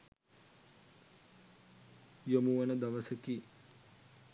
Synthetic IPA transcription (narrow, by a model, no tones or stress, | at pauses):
jomuʋɐnəd̪ɐʋəsəki